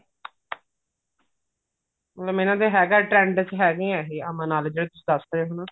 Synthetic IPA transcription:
mət̪ləmɪnãːd̪eːɦɛːɡaːʈɾɛ̃ːɳɖt͡ʃɦɛːɡĩːɛɦeːəmãːnaːld͡ʒeːɽeːt̪ʊsĩ̥ːd̪əsd̪eɦonãː

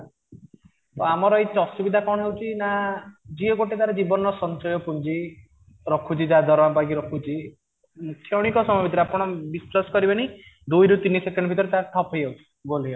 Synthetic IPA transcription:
t̪oamɔɾɔetɔsubid̪ʱakɔɽ̃ɔɦewt͡ʃʰinad͡ʒiɔɡoʈet̪aɾed͡ʒibɔnɔsɔnt͡ʃɔjɔpund͡ʒi | ɾɔkʰut͡ʃʰid͡ʒad̪ʱɔɾɔampaɡiɾɔkʰut͡ʃʰi | mukʰːjɔɽ̃ikɔsɔmbʱit̪̬ɔɾapɔɽ̃ɔbisɾɔskɔɾibanid̪ujɾut̪inisekɔɳɖɔbʱit̪ɔɾet̪aʈʰɔpɦejɦewt͡ʃʰi̥ɡoliɔ

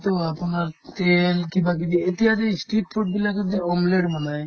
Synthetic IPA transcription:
t̪oapnaɾt̪elkibak̬ib̪iet̪iɦad̪esʈiʈ̚pʰoʈ̚bilakod̪eɔmleɖmɔnaj

